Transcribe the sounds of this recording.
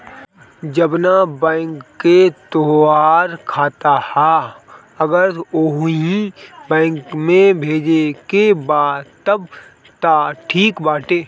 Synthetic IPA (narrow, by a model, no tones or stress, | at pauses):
d͡ʒəbnabɛ̃ːŋkːet̪oaːɾkʰaːt̪ahɛ | əɡəɾoɦĩbɛ̃ːŋkmẽbʱeːd͡ʒekebaːt̪əb | t̪aʈʰiːkbaːʈeː